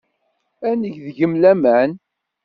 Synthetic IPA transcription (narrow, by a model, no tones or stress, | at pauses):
ænəʝðʝəmlæmæn